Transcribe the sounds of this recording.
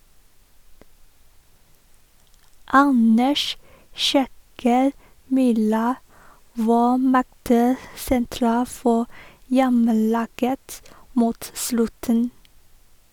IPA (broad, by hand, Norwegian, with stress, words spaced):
ˈɑnəʃ ˈʃɛkəɾ ˈmyːɾɑ ˈʋɑː ˈmɛɡtə sɛnˈtɾɑː ˈfɔ ˈjɛməˌlɑːɡət ˈmuːt ˈslʉtən